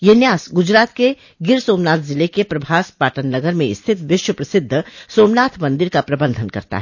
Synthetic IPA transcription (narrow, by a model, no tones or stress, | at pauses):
jenjaːsɡʊd͡ʒɾaːt̪̚ke | ɡɪɾsoːmnaːt̪ʰzɪlekepɾɐbʱaːspaːʈənːɐɡəɾmẽɪst̪ʰɪt̪ʋɪʃwəpɾɐsɪd̪ʱːəsoːmnaːt̪ʰmɐ̃nd̪ɪɾkapɾɐbə̃nd̪ʱənkɐ̰ɾt̪a̰ɦɛː